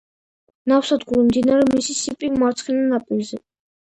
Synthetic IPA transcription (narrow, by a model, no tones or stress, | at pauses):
nawsad̪ɡuɾimd̪inaɾɛmisisipʼimaɾt̪sʰχɛnanapʼilzɛ